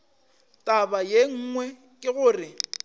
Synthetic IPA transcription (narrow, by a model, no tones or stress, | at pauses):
tʼabajeŋ̩ːŋwɛ | kʼɪɣʊːrɪ